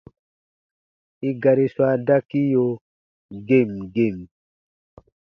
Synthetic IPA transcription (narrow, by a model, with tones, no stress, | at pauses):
i˦ɡa˨ɾi˦swa˦da˦ki˦jo˨ | ɡe˦˨mɡe˦˨m